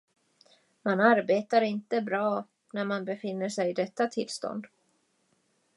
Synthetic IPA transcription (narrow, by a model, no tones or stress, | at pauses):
manaɾbeːt̪aɾɪnt̪əbɾɑː | næɾmanbɛfɪnːəʂɛjɪd̪ɛt̪ːat̪ʰɪlst̪ɔ̰nd̪